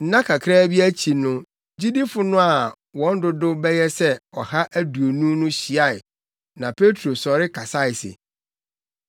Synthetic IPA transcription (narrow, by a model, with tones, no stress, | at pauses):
n̩˦nã˦kʰa˨kʰɾaː˦bi˦æ˦t͡ɕʰi˨nʊ̃˦ | d͡ʑi˦di˦fʊ˦nʊ̃˦a˨ | wɔ̃˦n̩˦dʊ˦dʊ˦bɛ˦jɛ˦sɛ˦ɔ˨ha˦ʔæ˦du˨o˨nũ˦nʊ̃˦ɕi˨a˦˨ɪ˨ | nã˨pʰe˦tʰɾo˨sɔ˨ɾɪ˦kʰa˨sa˦˨ɪ˨sḛ˨